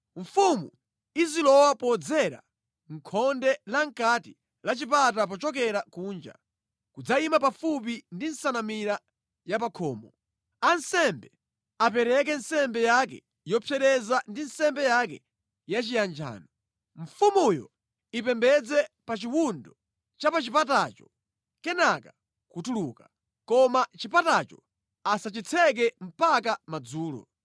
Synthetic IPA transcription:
ɱfumṵ | izilɔwapɔd͡zɛɾa̰ | ŋ̩kʰɔndɛlaŋ̩kati | lat͡ʃip̬at̬ap̬ɔt͡ʃɔk̬ɛɾakuːnd͡ʒa̰ | kud͡zaimapafup̬indinsanamiɾa | japakʰɔːmɔ | ansɛmbɛ | ap̬ɛɾɛk̬ɛnsɛmbɛjakɛ̰ | jɔpʰjɛɗɛzandinsɛmbɛjakɛ | jat͡ʃijand͡ʒa̰ːnɔ | ɱ̩fumujɔ̰ | ipɛmbɛd͡zɛpat͡ʃiwundɔ | t͡ʃapat͡ʃipatat͡ʃɔ | kɛnaka | kutuluːka | kɔmat͡ʃipatat͡ʃɔ | asat͡ʃit͡sʰɛk̬ɛm̩pakamad͡zuːlɔ̰

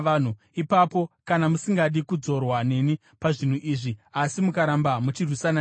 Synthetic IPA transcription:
an̤u | ipapo̞kanamusiŋɡaɗikud͡zo̞rwane̞ni | paʐin̤uʔiːʐiasimukaɾambamut͡ʃirwisana

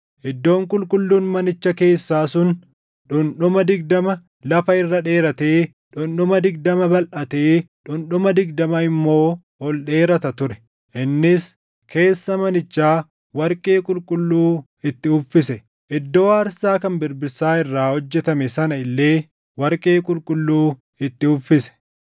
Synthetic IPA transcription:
ʔɪd̪ːo̞ːŋkʼʊlkʼʊlːuːnmɐnɪt͡ʃːɐke̞ːsːaːsʊn | ᶑʊnᶑʊmɐd̪ɪɡd̪ɐmɐ | lɐfɐɪrːɐᶑe̞ːɾɐt̪e̞ː | ᶑʊnɗʊmɐd̪ɪɡ̚d̪ɐmɐbɐlʔɐt̪eːᶑʊnɗʊmɐd̪ɪɡd̪ɐmɐɪmːo̞ː | hɔlɗe̞ːɾɐt̪ɐt̪ʊɾɛ̥ | ʔɪnːɪs | kʰe̞ːsːɐmɐnɪt͡ʃːaː | wɐɾkʼe̞ːkʼʊlkʼʊlːuː | ɪt̪ːɪʊfːɪsɛ | ʔɪd̪ːo̞ːɐɾsaːkɐnbɪɾbɪɾsaːɪrːaːhɔd͡ʒːɛt̪ɐmɛsɐnɐɪlːe̞ː | wɐɾkʼe̞ːkʼʊlkʼʊlːuː | ɪt̪ːɪʊfːɪsɛ̥

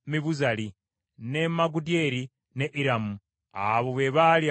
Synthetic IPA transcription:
miβuzali | nemaɡudje̞ɾi | neʔiɾamu | aβoβeβalj

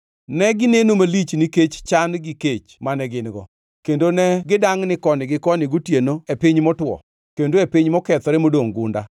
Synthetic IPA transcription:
nɛɡɪnenomalit͡ʃnɪket͡ʃt͡ʃanɡɪket͡ʃmanɛɡɪnɡɔ̰ | kendonɛɡɪdaŋnɪkɔnɪɡɪkɔnɪɡutjenoepiɲmɔtwɔ̰ | kendoepiɲmɔkɛt̪ɔɾɛmodoŋɡʊnda̰

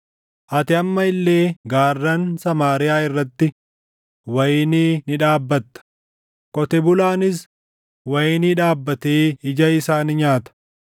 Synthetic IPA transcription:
ʔɐt̪ɪɐmːɐɪlːe̞ːɡaːrːɐnsɐmaːɾɪjaːɪrːɐt̪ːɪ | wɐjɪniːnɪᶑaːbːɐt̪ːɐ̥ | kʼɔt̪ɛbʊlaːnɪs̬ | wɐjɪniᶑaːbːɐt̪eːɪd͡ʒɐɪsaːnɪɲaːt̪ɐ̥

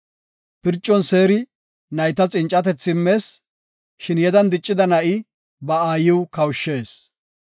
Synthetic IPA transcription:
pɪɾt͡ʃʼːɔnse̞ːɾɪ | nɐjt̪ɐt͡sʼɪnt͡ʃʼːɐt̪ɛt͡sːɪmːe̞ːs | ʃɪnjɛd̪ɐnd̪ɪt͡ʃʼːɪd̪ɐnɐʔɪ | bɐaːjɪwkɐwʃːeːs

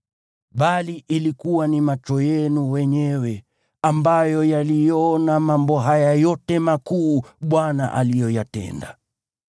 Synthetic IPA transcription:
ɓaliʔilikuwanimat͡ʃɔjɛnuwɛɲɛwɛ | ambajɔjalijɔnamambɔɦajajɔtɛmakuːɓwana̰ʔalijɔjatɛ̰nda̰

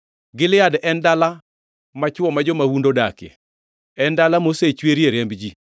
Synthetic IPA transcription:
ɡɪlɪjadɛndala | mat͡ʃwɔmad͡ʒɔmawundodakjɛ̰ | ɛndalamoset͡ʃweɾjeɾembd͡ʒi

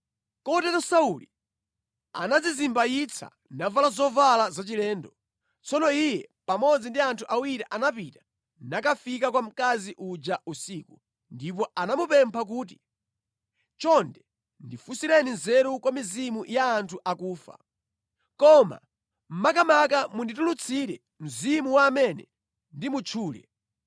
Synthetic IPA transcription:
kɔtɛtɔsauli | a̰nad͡zizimbajit͡sʰa̰ | navalazɔvalazat͡ʃilɛːndɔ | t͡sʰɔnɔijɛpamɔd͡zindiantʰuʔawiɾiʔanapitḁ | nakafikakwam̩kaziʔud͡ʒausiːku | ndip̬ɔanamupɛmpʰak̬uːt̬i | t͡ʃɔndɛ | ndifusiɾɛninzɛɾukwamizimujaːntʰuʔakuːfa̰ | kɔma̰ | m̩makamak̬amunditulut͡sʰiɾɛ | m̩zimuwaːmɛnɛ | ndimut͡ʃʰuːlɛ̰

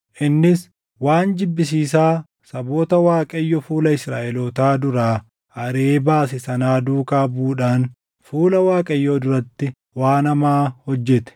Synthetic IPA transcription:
ʔɪnːɪs | waːnd͡ʒɪbːɪs̬iːsaː | sɐboːt̪ɐwaːkʼɐjːɔfuːlɐɪsɾa̰ːʔɛlot̪aːd̪ʊɾaː | ɐɾeːbaːsɪsɐnaːd̪uːkaːbuːᶑaːn | fuːlɐwaːkʼɐjːoːd̪ʊɾɐt̪ːɪ | waːnɐmaːhɔd͡ʒːɛt̪ɛ̥

